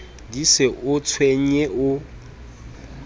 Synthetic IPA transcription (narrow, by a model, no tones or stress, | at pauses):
disɪʔʊt͡sʰweɲɛʔʊ